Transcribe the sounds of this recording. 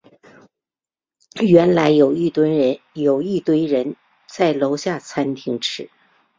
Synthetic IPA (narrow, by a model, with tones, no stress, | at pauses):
ɥɛ˧˥nla˧˥ɪjo˨˩ʊi˥˩t̪w | jo˨˩ʊi˥˩t̪we˥ɪɻə˧˥n | t͡sa˥˩ɪlo˧˥ʊɕja˥˩t͡sʰa˥nt̪ʰi˧˥ŋʈ͡ʂʰɻ̩˧˥